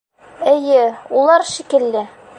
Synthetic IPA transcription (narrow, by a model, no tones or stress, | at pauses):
ɘ̆jɘulˠɑɾʃikɘ̆lːɘ